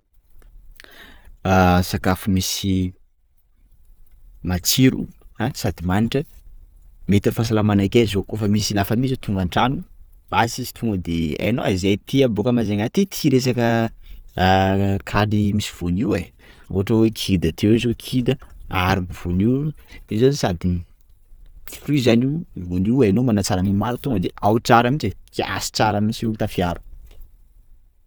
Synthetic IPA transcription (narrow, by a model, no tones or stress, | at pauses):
asakafumisi | mat͡siɾṵanisad̪imaniʈ͡ʂə | met̪iəfas̬alamanakʲazokofamisilafəmizot̪ʰuŋɡaɳʈ͡ʂanu | basizi̥t̪ʰuŋɡəd̪eḛno̰aizejt̪iəbokəmazaŋat̪it̪ʰiɾes̬akə | kʰalimisiv̥uniwe | o̰ɦaʈ͡ʂawekʰid̪ət̪ʰewzokʰid̪əaɾumbuv̥uniizosad̪i | rizaniwvuniwanomanat͡saɾanimaɾut̪uŋɡəd̪eʔawt͡saɾamit͡ʃekia̰si̥t͡saɾamisit̪afiaɾu̥